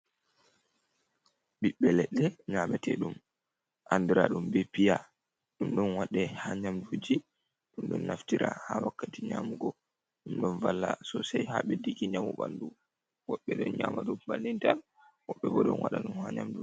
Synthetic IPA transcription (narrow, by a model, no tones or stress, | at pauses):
ɓiɓːɛlɛɗːɛɲamɛtʰɛɗum | ʔandiɾa̰ɗumbɛpija | ɗumɗɔnwaɗɛhaɲamdud͡ʒi | ɗumɗɔ̰nːaftiɾa̰hawakːatiɲamuɡɔ | ɗumɗɔnvalːasɔsajhaɓɛdikiɲamuɓandu | wɔɓːɛɗɔnɲaːmaɗubalːintal | wɔɓːɛbɔɗɔnwaɗaɗumhaɲamdu